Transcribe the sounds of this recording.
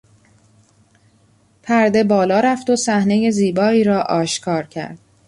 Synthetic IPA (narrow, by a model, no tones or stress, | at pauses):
pʰæɾd̪e̞bɒːlɒːɾæft̪osæhne̞je̞ziːbɒːiːɾɒːʔɒːʃkʰɒːɾcʰæ̰ɾd̪̥̚